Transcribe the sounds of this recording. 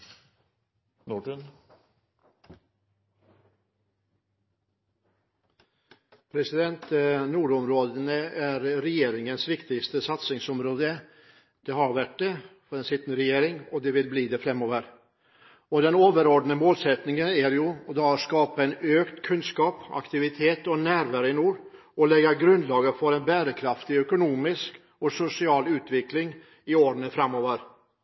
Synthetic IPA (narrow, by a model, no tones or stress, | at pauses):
nuɖən | pʰɾɛsɪd̪ɛnt̪nuːɖɔmɾoːd̪ənəæɾɾɛjeːɾɪŋənsʋɪkt̪ɪst̪əsɑt̪sɪŋsɔmɾoːd̪ə | d̪̥eːhɑɾʋæʈ̚ɖefɔd̪ɛnsɪt̪nəɾɛjeːɾɪŋɔd̪ɛʋɪlbliːd̪ɛfɾɛmːoːʋəɾ | ɔd̪ɛnoːʋəɾɔɖnəmoːlsɛt̪nɪŋənæɾjʊd̪ɑskɑːpɑɛnøːkt̪kʰʉnskɑːpɑ̰kt̪ɪʋɪt̪ʰeːt̪ɔnæːɾʋæɾəɪnuːɾ | ɔlɛɡːɑɡɾʉnd̪lɑːɡəfɔɾɛnbæːɾəkʰɾɑft̪ɪœkʊnuːmɪsk | ɔsʊsɪɑːlʉːt̪ʋɪklɪŋ | ɪoːɾnəfɾɑmːoːʋəɾ